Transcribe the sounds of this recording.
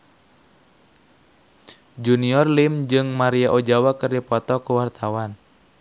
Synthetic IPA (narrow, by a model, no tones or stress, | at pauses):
d͡ʒuniɔrlimd͡ʒɨŋmaɾiaʔod͡ʒawakɨrdipɔt̪ɔkuwart̪awan